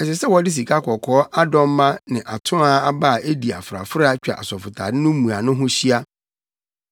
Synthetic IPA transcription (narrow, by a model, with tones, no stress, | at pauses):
ɛ˨sɛ˨sɛ˦wɔ˨˦dɪ˦s̬i˨kʰa˦kʰɔ˨kʰɔ˨˦ʔa˦dɔ̃˦m˦mã˦nɪ̃˨ʔa˨tʰʊ̃˦a˦a˦ba˦˨e˦di˨a̰˨fʊ˨ɾa̰˨fʊ˦ɾa˦t͡ɕᶣa̰˨ʔa̰˨sɔ˨fʊ˨tʰa̰˨dɪ̃˦nʊ̃˦mũ˨a˨nʊ̃˦ɦʊ̃˦ɕi˦a˦